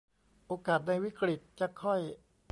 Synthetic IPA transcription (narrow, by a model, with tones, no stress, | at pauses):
ʔoː˧kaː˨˩t̪̚na˧jwi˦˥kɾi˨˩t̪̚t͡ɕa˨˩kʰɔ˥˩j